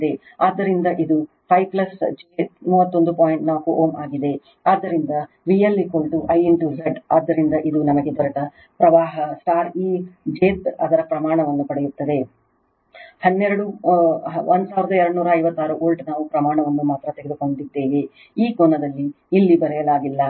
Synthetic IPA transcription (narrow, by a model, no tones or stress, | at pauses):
id̪e̞ | aːd̪ːɐɾind̪ɐʔid̪u | pʰɐjplɐsd͡ʒet̪muːʋɐt̪ːo̞nd̪upoːjiɳʈnaːkuʔoːmaːɡid̪e̞ | aːd̪ːɐɾind̪ɐ | ʋijɐlːikoːlʈuʔɐjinʈuzɐɖaːd̪ːɐɾind̪ɐʔid̪unɐmɐɡe̞bɐɾɐʈɐ | pɾɐʋaːɦɐsʈaːɾiːd͡ʒeːt̪ɐ̰d̪ɐɾɐpɾɐmaːɳɐʋɐnːupɐɽejut̪ːɐd̪e̞ | hɐnːɛɾɐɽu | ond̪usaːʋiɾɐd̪ɐɛɾɐɽunuːɾɐːjʋɐt̪ːaːɾuʔoːlʈnaːʋupɾɐmaːɳɐʋɐnːumaːt̪ɾɐt̪eɡed̪uko̞ɳd̪id̪ːeːʋe | iːkonːɐd̪ɐlːiː | lːibɐɾɛjɐlaːɡilːɐ